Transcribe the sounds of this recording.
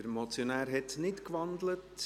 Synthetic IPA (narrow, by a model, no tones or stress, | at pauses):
əɾmɔt͡sjonæːɾɦɛtnɪtkʋɑnd̪lət